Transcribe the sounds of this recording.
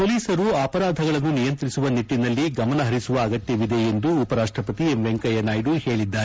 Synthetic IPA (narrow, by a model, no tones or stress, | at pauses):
poːliːsɐɾuaːpɐɾaːd̪ʱɐɡɐɭɐnːunijɐnt̪ɾisuʋɐniʈːinɐlːiɡɐmɐnɐɦɐɾisuʋɐːɡɐt̪jɐʋid̪e̞end̪uːpɐɾaːʂʈɾɐpɐt̪iemʋeŋkɐjɐnaːjɖuhe̞ːɭid̪ːaːɾe